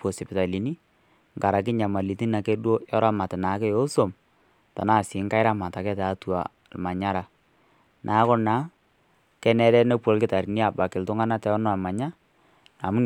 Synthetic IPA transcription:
po˨si˨pɪ˨ta˨li˨ni˦ | ŋɡa˨ɾa˨k̬ɪ˦ɲa˨ma˨li˨ti˦na˨ke˦dwo˦jɔ˦ɾa˦ma˨tɪ˨na˨˦kɛ˦jo˦so˨m | ta̰˨na˦˨sɪ˨˦ŋka˦ɪ˦ɾa˦ma˨ta˨kɛ˦taː˨˦twa̰˨lma˨ɲa˦ɾa˨ | nʔa˨˦kɔ˦na˨˦ | kɛ˦nɛ˦ɾɛ˦nɛ˦pwo˨lkɪ˦ta˨ɾi˨ni˦a˨ba˨kɪ˨ltʊ˦ŋa˦na˦tɛ˨˦ɔ˦nɔ˦a˨ma˨ɲa˦ | na˨mu˦

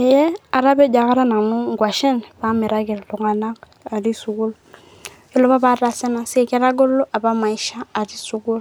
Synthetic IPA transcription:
ɛ˨jɛ˦a˨ɾa˦bɛ˦d͡ʒa˨ka˦ɾa˦na˨nu˦ŋɡwa˨ʃɛ˦nba˦mi˨ɾa˦ɡɛ˨lɔ˨ŋa˨na˦k | a˨ɾi˦su˨ɡu˦l | kɛ˦lɔ˦ba˦ba˦ɾa˨sɛ˦na˦si˦ɛ˨kɛ˦ɾa˦ɡɔ˦lːɔ˦ʔa˨ba˦ma˨i˦ʃaː˦˨ɾi˦su˨ɡu˦l

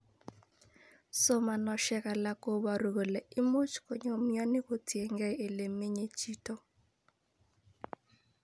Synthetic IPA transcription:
so˦ma˨nɔ˨ʃɛ˦ka˨la˨ko˦ba˨ɾu˨ɣo˨le˨ɪ˦mo˦t͡ʃko˨ɲo˨mjɔ˦nɪ˦ko˨tje˨ŋɡɛ˦e˨le˨me˦ɲe˦t͡ʃi˦tɔ˦

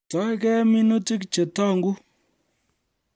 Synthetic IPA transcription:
tɔ˨˦kɛ˦mi˦nu˦ti˦kt͡ʃe˨tɔ˦˨ŋɡu˦

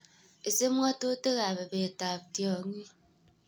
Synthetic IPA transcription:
e˨se˦mʷ˦ɔ˦to˦te˦ɣa˨be˨be˨ta˨p̚tjɔ˨˦ŋi˦

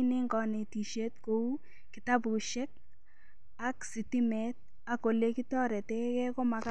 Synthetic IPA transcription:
nɪ˦ŋɡɔ˨ne˨ti˨ʃe˦t̚ko˦u˦ | ki˨ta˦pu˨ʃɛ˦k̚ | a˦ksi˨ti˦mɛ˦t̚ | a˨ko˨le˦ki˦tɔ˦ɾɛ˨tɛ˦kɛ˦ko˦ma˨ka

